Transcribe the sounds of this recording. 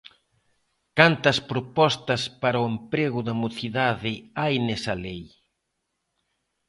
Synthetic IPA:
kant̪ɐspɾopɔst̪ɐspaɾoempɾeɣʊðɐmoθiðaðɪajnɛsɐlej

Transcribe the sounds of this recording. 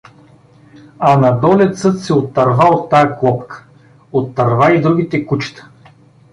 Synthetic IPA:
ɐnɐd̪ɔlʲɛt̪sɤt̪sɛot̪ːɐɾvaot̪ːajɐklˠɔpkə̥ | ot̪ːɐɾvaid̪ɾuɡ̟ʲit̪ɛkut͡ʃɛ̥t̪ə̥

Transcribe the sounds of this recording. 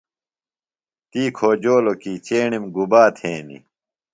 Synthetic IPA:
t̪iːkʰoːd͡ʑoːlokit͡ɕeːɳimɡubaːt̪ʰẽːnḭ

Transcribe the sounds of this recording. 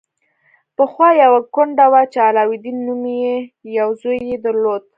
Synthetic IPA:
pəxwɑjawakʊɳɖawat͡ʃealɑwid̪inumjejawzojːed̪əɾlod̪̚

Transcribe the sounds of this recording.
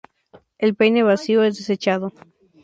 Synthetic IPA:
elpejne̞βasioezðese̞t͡ʃaðo

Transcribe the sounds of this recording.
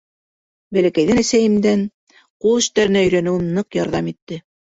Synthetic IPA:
bælækæjðɘnæsæjɘ̆md̪æn | qulˠɵ̆ʃt̪æɾɘ̆næɵ̆jɾænɘ̆wɘnːɤqjɑɾðɑmit̪ːɘ

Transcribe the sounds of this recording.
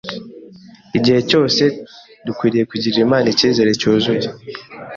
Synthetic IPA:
iɟihe̞co̞ːse | dukwiːɾije̞kuɟiɾimaːniciːze̞ɾecuːzuɟi

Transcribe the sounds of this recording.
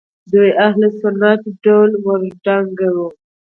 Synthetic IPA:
d̪ujahlesʊnːat̪ɖawlwaɾɖaŋɡawu

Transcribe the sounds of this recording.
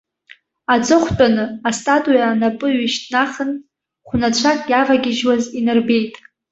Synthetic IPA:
at͡sʼɨχʷt͡pʷʼanɨastʼatʼujaːnapʼɨɥɪʃtʰʼnaχən | χʷʊnat͡ɕʷʰakʼjavaɡʲɪʒwazinɨrbe̞jtʼ

